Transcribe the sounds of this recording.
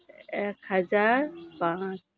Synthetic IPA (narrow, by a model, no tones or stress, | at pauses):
ekhɐzaːɾpãːt͡ʃ